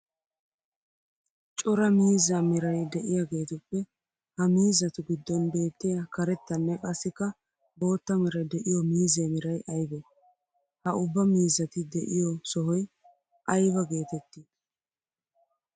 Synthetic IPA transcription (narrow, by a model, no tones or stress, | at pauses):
t͡ʃʼɔɾɐmiːzamɪɾɐjd̪ɛʔɪjaɡe̞ːt̪ʊpːɛ | hɐmiːzːɐt̪ʊɡɪd̪ːɔnbe̞ːt̪ːɪjakɐɾɛt̪ːɐnːɛkʼɐsːɪkːɐ | bo̞ːt̪ːɐmɪɾɐjd̪ɛʔɪjɔmiːzeːmɪɾɐjʔɐjbɛ | hɐʊbːɐmiːzɐt̪ɪd̪ɛʔɪjɔsɔɦɔj | ʔɐjbɐɡe̞ːt̪ɛt̪ːiːd